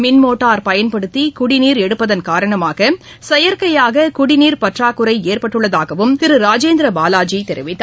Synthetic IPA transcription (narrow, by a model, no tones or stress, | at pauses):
mɪnmoːʈːaːɾpɐjɐnpɐɽɯt̪ːikʊɽɪniːɾɛɽɯpːɐðɐnkaːɾɐɳɐmaːɣɐ | sɛjɐɾkɐjaːɣɐkʊɽɪniːɾpɐʈraːkːʊɾɐɪeːrpɐʈːɯɭːɐðaːɣɐʋɯmt̪ɪɾɯɾaːd͡ʒeːnd̪ɾɐbaːlaːd͡ʒit̪ɛɾɪʋɪt̪ːa